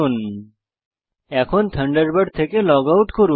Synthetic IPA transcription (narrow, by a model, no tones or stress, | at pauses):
un | ɛkʰont̪ʰəɳɖəɾbəɖt̪ʰekelɔɡawʈkoɾu